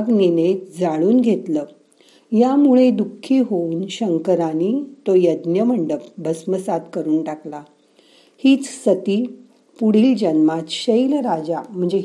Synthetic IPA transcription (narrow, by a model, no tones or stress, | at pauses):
ɡnined͡zaɭuːnɡʱet̪lə | jamuɭed̪ukʰːiːɦouːnɕəŋkəɾaniːt̪ojəd̪njəməɳɖəp̚bəsməsad̪kəɾuːnʈakla | hiːt͡ssət̪iː | puɽ̤iːld͡ʑənmat̪ɕəjlɾad͡ʑam̤əɳd͡ze